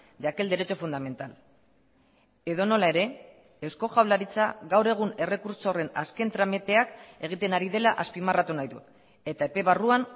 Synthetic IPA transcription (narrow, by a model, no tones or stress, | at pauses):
d̪eake̞ld̪eɾe̞t͡ʃo̞fund̪ame̞nt̪al | e̞ðo̞no̞lae̞ɾe̞ː | wsko̞ʝawlaɾit͡saɣawɾe̞ɣ̞une̞re̞kuɾso̞re̞naske̞nt̪ɾamet̪e̞ake̞ɣ̞it̪e̞naɾiðe̞laʔaspimarat̪unajðu | e̞t̪ae̞pe̞βaruan